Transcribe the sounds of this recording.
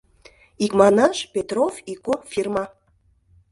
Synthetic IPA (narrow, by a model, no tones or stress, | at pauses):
ikmɑnɑʃpʲet̪rofikofirmɑ